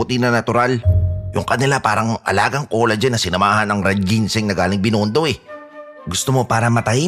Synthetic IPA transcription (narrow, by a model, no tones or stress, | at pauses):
ʊt̪inɐnɐt̪ʊɾaljʊ̰ŋkɐnɪlapaːɾɐŋʔɐ̰laːɡɐŋko̞ːlɐd͡ʒanːɐsɪnɐmaːhɐnɐŋɾɛd̪̚ɡinsɪŋnɐɡaːlɪŋbɪnoːnd̪o̞ʔɛ | ɡʊst̪omo̞paːɾɐmɐt̪ɐj